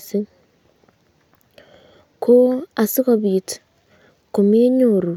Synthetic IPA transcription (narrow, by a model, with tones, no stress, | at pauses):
si˦ | ko˦a˨si˦ɣo˨βiː˨t | ko˨me˦ɲoɾu˨